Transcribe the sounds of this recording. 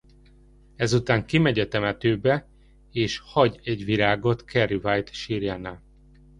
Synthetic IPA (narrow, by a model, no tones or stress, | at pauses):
ɛzut̪aːŋkimɛɟɒt̪ɛmɛt̪øːbɛ | eːʃhɒɟɛɟʋiɾaːɡo̞t̪kɛrivaːjt̪ʃiːɾjanaː